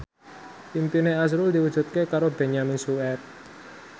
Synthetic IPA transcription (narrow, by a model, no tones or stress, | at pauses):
impineas̬ɾʊld̪iwəd̥ʒ̥ṳt̪̚kekaɾob̥eɲaminsuɛt̚